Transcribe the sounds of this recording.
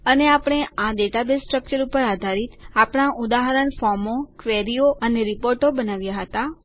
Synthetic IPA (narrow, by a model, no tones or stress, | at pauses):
əneapɽ̃eaɖeʈabesʈɾək̚t͡ʃəɾupəɾad̪ʱaɾit̪apɳ̃aʔud̪aɦəɾənfɔɾmokʋeɾijoʔəneɾipoɾʈobənaʋjaɦət̪a